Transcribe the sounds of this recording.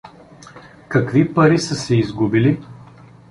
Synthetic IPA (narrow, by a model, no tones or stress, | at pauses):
kɐkvipɐɾisəsɛizɡubili